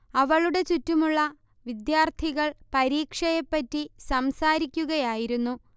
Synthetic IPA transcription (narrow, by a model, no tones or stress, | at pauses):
ɐʋɐɭuɽe̞t͡ɕutːumuɭːɐ | ʋid̪jaːrt̪ʰiɣɐɭpɐɾiːkʂɐjɐpːɐtːisɐmsaːɾikʲːuɣɐjaːjiɾunːu